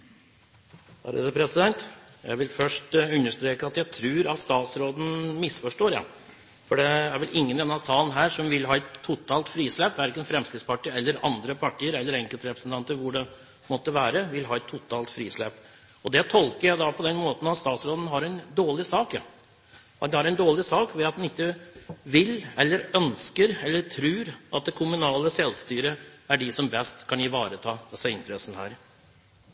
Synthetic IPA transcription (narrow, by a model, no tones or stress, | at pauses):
hɑ̰ɾəd̪əpʰɾɛsɪd̪ɛnt̪jæ̰ɪʋɪlfœʂʈʉnːəʂt̪ɾeːkəɑt̪jæɪt̪ʰɾʉːɾɑt̪st̪ɑːt̪sɾoːd̪n̩mɪsfɔʂʈoːɾjɑ̰ | fɔɖɛæɾʋɪlʔɪŋːənɛnːɑsɑːlnɦæːʂɔmʋɪlɦɑːɛt̪ʰːʊt̪ʰɑːlt̪fɾiːsleːpːæɾɪkːənfɾɛmskɪt̪spɑʈiːɛlːəɾɑ̰nd̪ɾəpʰɑʈʰiːəɾɛlːəɾɛŋkəlt̪ɾɛpɾəsənt̪ʰɑnt̪əɾʋʊɖɛ | mɔt̪ːəʋæːɾəʋɪlɦɑːɛt̪ʰːʊt̪ʰɑːlt̪fɾiːsleːp | ɔd̪ɛt̪ʰɔlkəɾjæɪd̪ɑpʰɔd̪ɛnmoːt̪n̩ɑt̪st̪ɑːt̪sɾoːd̪ən̩ɦɑɾɛnd̪oːɭɪsɑːkjɑ | d̪hɑɾɛɪnd̪oːɭɪsɑːkʋɛɑt̪d̪ɛnɪkːəʋɪlɛlːəɾœnskəɾɛlːəʈʰɾʉːɾʔɑt̪̚d̪ɛkʰʊmʉnɑːləsɛlːst̪yːɾəæɖɪsɔmbɛst̪kʰɑnjiʋɑːɾət̪ʰɑːd̪ɛsːəɪnt̪əɾɛsn̩hæ̰ːɾ